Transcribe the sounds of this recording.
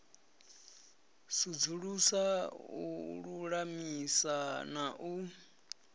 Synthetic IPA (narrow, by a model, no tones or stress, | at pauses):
sud͡zuɺusauɺuɺamisanaʔu